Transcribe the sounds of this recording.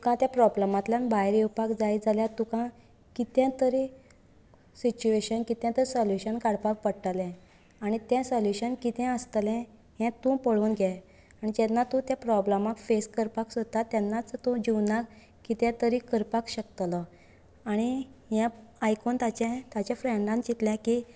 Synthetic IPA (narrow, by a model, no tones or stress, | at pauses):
t̪ukãt̪japɾɔbləmãt̪ljanbaɦeɾiwpakd͡zajd͡zaljãt̪ũkã | kit̪jɛ̃t̪əɾi | sit͡ɕueɕənkit̪jãt̪əɾisəljuɕənkaɽpak̚pəɽʈalɛ̃ | aɽ̃it̪jɛ̃səljuɕənkit̪ɛ̃əst̪lɛ̃ | jɛ̃t̪ũpəɭuːnɡʱja | anid͡ʑɛnːat̪ũt̪japɾɔblamãkfeskəɾpaksot̪at̪janːat͡st̪õd͡ʑiwnak | kit̪jãt̪əɾikəɾpakɕək̚t̪lɔ | aɽ̃ijãajkont̪at͡ɕɛ̃t̪at͡ɕãfɾeɳɖãnt͡ɕit̪ljãki